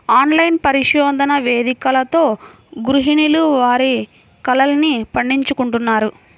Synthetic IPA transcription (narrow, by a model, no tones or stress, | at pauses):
aːnlɐjnpɐɾiʂjɔːd̪ɐnɐʋe̞ːd̪ikɐlɐt̪o̞ː | ɡɾuɦiniluʋaːɾi | kɐlɐlnipɐɳɖiɲt͡ʃukuɳʈunːaːɾu